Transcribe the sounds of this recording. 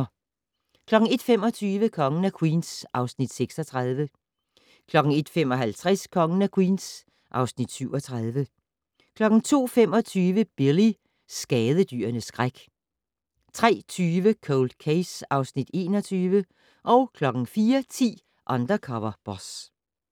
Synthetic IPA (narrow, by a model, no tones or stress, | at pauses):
kʰlɒ̽ɡ̥ŋ̩e̝d̥fem̰ɒ̽t͡sʰyːʋəkʰɒ̽ŋənækʰwḭːnsʔɑ̈ʊsnid̥seɡ̥sɒt͡sʰʁað̞ˠʋə | kʰlɒ̽ɡ̥ŋ̩e̝d̥femɒ̽ɦælt͡sʰʁaskʰɒ̽ŋənækʰwḭːns | ʔɑ̈ʊsnid̥syʊɒt͡sʰʁaðˠʋə | kʰlɒ̽ɡ̥n̩t͡sʰo̝̰ːfemɒ̽t͡sʰyːʋəb̥eli | sɡ̥ɛːðˠəd̥y̰ːɐnəsɡ̥ʁaɡ̥ | t͡sʰʁɛ̰ːt͡sʰyːʋəkʰoʊld̥̚kʰeɪsɑ̈ʊsnid̥e̝̰ːnɒ̽t͡sʰyːʋə | ʔɒ̽ʊkʰlɒ̽ɡ̥ŋ̩fiːɐt͡sʰḭː | ʔɑ̈nd̥ʁɐkʰɒʋɐb̥ɒs